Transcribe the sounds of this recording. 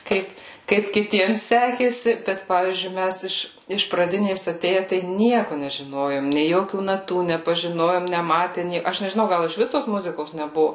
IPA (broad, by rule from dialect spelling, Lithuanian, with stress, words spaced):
ˈkɐɪp ˈkɐɪp kʲɪˈtʲiɛms ˈsʲæːkʲeːsʲɪ bʲɛt ˈpɑːʋʲiːzʲd͡ʒʲʊɪ ˈmʲæs ɪʃ ɪʃ prɐˈdʲɪnʲeːs ɐˈtʲeːjɛ tɐɪ ˈnʲiɛkʊ nʲɛʒʲɪˈnoːjoːm nʲeː ˈjoːkʲuː nɐˈtuː nʲɛpɐʒʲɪˈnoːjoːm nʲɛˈmɑːtʲɛ ˈnʲeː ɐʃ nʲɛʒʲɪˈnɐʊ ˈɡɐlˠ ɪʃʲˈʋʲɪs toːs ˈmʊzʲɪkoːs nʲɛˈbʊʋʊ